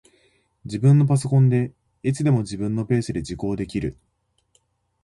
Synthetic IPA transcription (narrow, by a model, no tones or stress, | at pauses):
d͡ʑibɯ̟̃nːo̞p̬aso̞kõ̞nd̪e̞ | it͡sɨd̪e̞mo̞d͡ʑibɯ̟̃nːo̞pe̞ːsɨd̪e̞d͡ʑiko̞ːd̪e̞kʲiɾɯ̟